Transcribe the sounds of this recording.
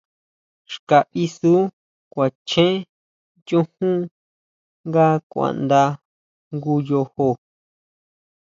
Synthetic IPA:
ʃka˨ʔi˧su˦ | kʷa˨t͡ʃʰẽ˦ | t͡ʃũ˦hũ˦ | ŋɡa˦kʷã̰˧˨nd̪a˧ | ŋɡu˧jo˧ho˧

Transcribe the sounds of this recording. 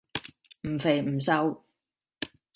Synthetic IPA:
m̩ː˨˩fe˨jm̩˨˩sɐ˧w

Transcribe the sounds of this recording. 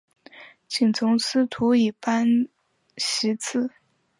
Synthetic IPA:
t͡ɕi˨˩ŋt͡sʰʊ˧˥ŋsɹ̩˥t̪ʰu˧˥i˨˩pa˥n | ɕi˧˥t͡s̩ʰ˥˩

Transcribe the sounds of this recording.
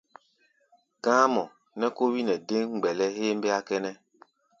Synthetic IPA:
ɡ̥ãː˦mɔ˨ | nɛ˦ko˦wi˦nɛ˨dẽ˦ŋ˨ɡ͡bɛ˨lɛ˦ɦeː˦mbe˦a˦kɛ˦nɛ˦

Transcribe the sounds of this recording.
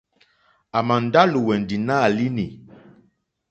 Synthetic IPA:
a˨ma˨n˨da˦lu˨wɛ˨n˨di˨na˦˨li˦ni˨

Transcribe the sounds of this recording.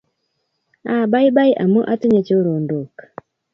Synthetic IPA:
a˨ba˦jba˦jʔa̰˨mo˦ʔa˦ti˦ɲe˦t͡ʃo˦ɾo˨ndo˨k

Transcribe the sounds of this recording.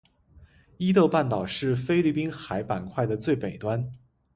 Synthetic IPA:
i˥t̪ɤ˥˧ʊpa˥˩nt̪ɑ˨˩ʊʂɻ̩˥˩fe˥ɪli˥˩pi˥nxa˧˥ɪpa˨˩nkʰwa˥˩ɪd̪ə˩t͡swe˥˩ɪpe˨˩ɪt̪wa˥n

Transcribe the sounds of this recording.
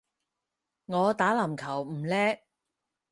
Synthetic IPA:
ŋɔː˨˧t̪aː˨˥lɐ˨˩mkʰɐ˨˩wm̩˨˩lɛː˥

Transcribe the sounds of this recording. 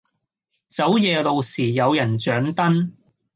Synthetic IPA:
t͡sɐ˨˥wjɛː˨˧lo˨˧wsiː˨˩jɐ˨˧wjɐ˨˩nt͡ʃœː˨˥ŋt̪ɐ˥n

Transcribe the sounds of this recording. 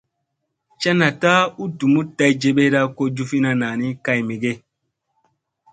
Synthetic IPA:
t͡ʃa˦na˨ta˦u˦tu˨mu˦ta˦jd͡ʒe˦ɓe˦ɾa˦ko˦d͡ʒu˦fi˦na˦na˨ni˦ka˦jme˨ɡe˦

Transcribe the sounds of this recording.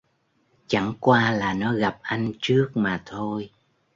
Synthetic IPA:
t͡ɕa˧˥ŋkwaː˧laː˨˩nɔ˨˦ɣa˨˩p̚ʔa˧jŋ̟t͡ɕɨ˦˥ək̚maː˨˩t̪ʰo˧j

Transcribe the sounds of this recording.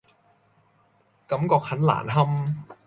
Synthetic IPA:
ka˨˦˥mkɔː˨˩k̚ʰa˦˥nla̰ː˨˩˦nha˧m

